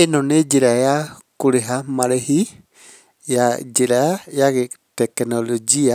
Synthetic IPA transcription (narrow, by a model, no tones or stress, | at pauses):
ɛnɔned͡ʒiɾajakuɾɛɦamaɾɛhi | jad͡ʒiɾajaɡɛt̪ɛknɔlod͡ʒia